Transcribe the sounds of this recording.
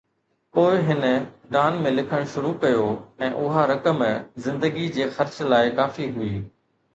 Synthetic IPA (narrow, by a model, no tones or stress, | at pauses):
poːɪɦɪnə̆ | ɖaːnmẽlɪkʰəɽ̃ʃʊɾukɐjoɛ̃ːʔʊɦaɾɐkəmzɪ̃nd̪əɡid͡ʑeːxɐɾt͡ɕlaːɪkaːfiɦʊiː